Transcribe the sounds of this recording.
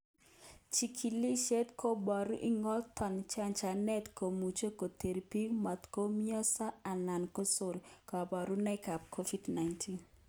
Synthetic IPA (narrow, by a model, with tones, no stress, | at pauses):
t͡ʃi˨kʰi˨li˦ʃe˦tkʰo˦bɔ˨ɾu˦ʔi˦ŋɔ˦ltɔ˨nt͡ʃa˦nt͡ʃa˨nɛ˦tko˨mu˨t͡ʃo˦ko˨te˨ɾipi˦ma˨t̪ko˦mjɔ˦sa˦a˨na˨nko˦so˦˨ɾkɔ˨bɔ˨ɾu˦nɛ˦ka˨p̚kʰo˦vi˦dna˨jntʰi˦n